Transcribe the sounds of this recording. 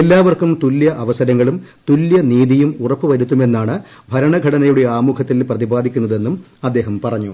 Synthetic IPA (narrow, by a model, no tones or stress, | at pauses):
elːaːʋɐrkumt̪uljɐʔɐʋɐsɐɾɐŋːɐɭumt̪uljɐniːðijumurɐpːɨʋɐɾut̪ːume̞nːaːɳɨ | bʱɐɾɐɳɐɡʱɐɽɐnɐjuɽe̞aːmukʰɐt̪ːilprɐðibaːd̪ʱikʲːunːɐðe̞nːum | ɐd̪ːe̞ːɦɐmpɐrɐɲːṵ